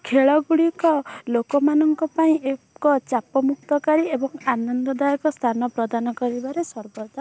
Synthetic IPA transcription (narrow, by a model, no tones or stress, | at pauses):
kʰeɭɔɡuɽikɔlokɔmanɔŋkɔpaĩʔe | kɔt͡ʃapɔmuk̚t̪ɔkaɾiebɔŋanɔnd̪ɔd̪ajɔkɔst̪ʰanɔpɾɔd̪anɔkɔɾibaɾesɔɾbɔd͡ʒ̪a